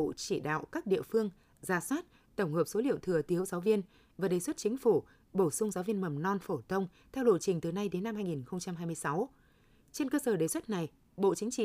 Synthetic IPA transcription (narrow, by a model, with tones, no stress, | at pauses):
o̰˧˨t͡ɕi˧˩ɗa̰ː˧˨wkaː˦˥k̚ɗḭ˧˨əfɨ˧əŋ | zaː˨˩˦swaː˦˥t̚ | t̪ə˧˩wŋ͡mhəː˨˩p̚so˨˦lḭ˧˨əwt̪ʰɨ˨˩ət̪i˨˦əwzaː˨˦wvi˧ən | vaː˨˩ɗe˨˩swə˦˥t̚t͡ɕï˨˦ŋ̟fu˧˩ | ɓo˧˩sʊ˧ŋ͡mzaː˨˦wvi˧ənmə˨˩mnɔ˧nfo˧˩t̪ʰə˧wŋ͡m | t̪ʰɛ˧wɗo̰˧˨t͡ɕï˨˩ŋ̟t̪ɨ˨˩na˧jɗe˨˦nːa˧mhaː˧jŋi˨˩nxə˧wŋ͡mt͡ɕa˧mɦaː˧jmɨ˧əjsa˨˦w | t͡ɕe˧nkəː˧səː˧˩ɗe˨˩swə˦˥t̚na˨˩j | ɓo̰˧˨t͡ɕï˨˦ŋ̟t͡ɕḭ˧˨